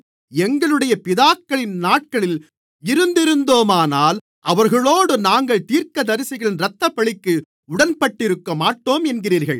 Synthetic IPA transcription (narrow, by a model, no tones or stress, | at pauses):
ɛŋɡɐɭɯɽɐjɐpɪðaːkːɐɭɪnnaːʈ̚kɐɭɪl | ɪɾɯnd̪ɪɾɯnd̪oːmaːnaːl | ʔɐʋɐɾɣɐɭoːɽɯnaːŋɡɐɭt̪iːɾkɐd̪ɐɾɪsɪɣɐɭɪnɾɐt̪ːɐpːɐɭɪkːɯ | ʊɽɐnpɐʈːɪɾɯkːɐmaːʈːoːmɛnɡɪriːɾɣɐɭ